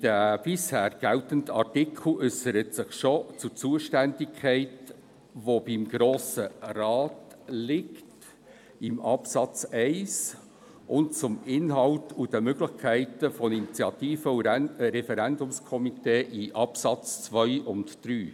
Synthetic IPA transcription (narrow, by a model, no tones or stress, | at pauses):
d̥æb̥ɪshæːɾɡ̥æltəndəɑrtɪkʰl̩ʏsəɾətsɪχʃot͡sʊt͡suəʃtændɪkʰχɛɪt | ʋob̥ɪmɡ̥ɾoːsərɑːt | lɪkt | ɪmɑpsɑt͡sɛɪs | ʔʊntt͡sʊmɪnɦɑltud̥əmøɡlɪχkʰæɪtəfɔninit͡sjɑt̪iːfəuɾɛfɛɾændʊmskʰɔmiteːʔiʔɑpsɑt͡st͡sʋœʏʔʊntd̥ɾyː